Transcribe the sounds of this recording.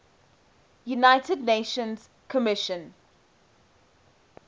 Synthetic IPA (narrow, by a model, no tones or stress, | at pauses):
junaɪtədneɪʃə̃nz̥ | kʰəmɪʃə̃n